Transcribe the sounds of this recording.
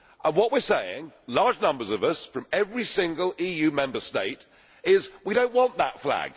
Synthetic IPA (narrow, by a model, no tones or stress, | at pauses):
ʔə̃nwɒʔwɪɹseɪɪ̰̃ŋlɑɹd͡ʒnʌ̃mbə˞zʌvʌsfɹʌ̃mɛvɹisɪ̃ŋɡəlˠiːjʉmɛ̃mbə˞steɪt | ɪzwiɾə̃ʊ̃nʔwɒ̃nðətflæ̰ɡ̥